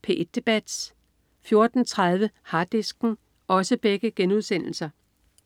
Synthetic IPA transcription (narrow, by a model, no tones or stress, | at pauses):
pʰe̝̰ːʔed̥̚e̝b̥æd̥s | fjo̝ɐd̥n̩t͡sʰʁað̞ˠʋəhɑ̈d̥esɡ̥n̩ | ʔɒ̽səb̥eɡ̥əɡ̥enuðˠsen̰l̩sɐ